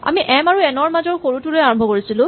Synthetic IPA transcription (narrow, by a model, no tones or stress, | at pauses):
a̰miʔɛmaɹuɛnɔɹmazɔɹxoɹutuɹojaɹɔ̃mbʱɔkoɹisilʊ̃